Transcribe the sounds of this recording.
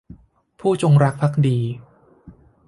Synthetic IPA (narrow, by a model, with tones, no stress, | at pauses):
pʰuː˥˩t͡ɕo˧ŋɾa˦˥k̚pʰa˦˥k̚diː˧